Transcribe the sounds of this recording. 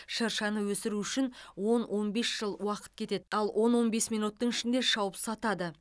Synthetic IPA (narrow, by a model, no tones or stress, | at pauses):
ʃɑɾʃɑnəwɵsɪɾuʏʃɪnwo̞nwʔo̞nbe̞sʒ̥əlˠwɑqə̥t̪̚kʲʰe̞t̪e̞d̪ɪɑlˠwʔo̞nwo̞nbe̞smijnut̪ːəɴɪʃɪnd̪e̞ʃɑwəpsɑt̪ɑd̪ə